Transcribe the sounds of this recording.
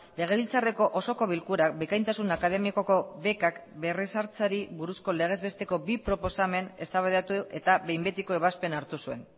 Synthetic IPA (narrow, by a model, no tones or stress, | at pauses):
le̞ɣ̞e̞βilt͡sare̞ko̞ʔoso̞ko̞β̞ilkuɾak̚bekajnt̪asunakaðe̞miakoko̞βe̞kakbe̞resaɾt͡saɾiβuɾusko̞le̞ɣ̞e̞zβe̞st̪e̞ko̞bipɾo̞po̞same̞ne̞st̪aβaat̪ue̞t̪aβe̞jmbet̪iko̞eβaspe̞naɾt̪usue̞n